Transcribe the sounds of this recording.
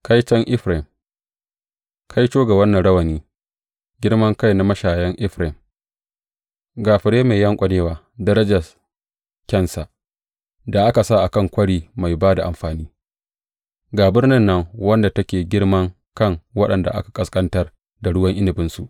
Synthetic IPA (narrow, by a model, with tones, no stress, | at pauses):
kʰa˦jt͡ʃɐ˦ŋʔɪ˦ɸɾɪ˨m | kʰa˦jt͡ʃoː˦ɡa˨wɐ˦nːɐ˨nɽɐ˦wɐ˨niː˦ | ɡʲɪ˦ɽmɐ˦ŋka˦jna˦mɐ˦ʃaː˨jɐ˦ŋʔɪ˦ɸɾɪ˨m | ɡaː˨ɸɪ˨ɽeː˦meː˨jɐ˦ŋkʷʼɐ˨neː˦waː˨ | dɐ˦ɾɐ˦d͡ʒɐ˨s | kʲɐ˦nsa˨ | da˨ʔa˦ka˨sa˦˨ʔa˨kɐ˦˨ŋkʷɐ˦ɽiː˨ma˨jbaː˦da˨ʔa̰˨mɸaː˨niː˦ | ɡaː˨bɪ˦rnɪ˦nːɐ˦ŋwɐ˦nda˨tɐ˦kʲeː˨ɡʲɪ˦rmɐ˦ŋ | kɐ˦ŋwɐ˦ɗɐ˨nda˨ʔa̰˦ka˨kʼɐ˨skʼɐ˦ntɐ˦r | da˨ɽʊ˦wɐ˦ŋʔɪ˦nɪ˨bɪ˦nsu˨ʔ